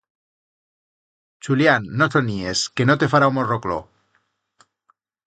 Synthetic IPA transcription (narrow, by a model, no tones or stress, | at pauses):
t͡ʃuljanːosonieske̞not̪e̞faɾaumoroklo̰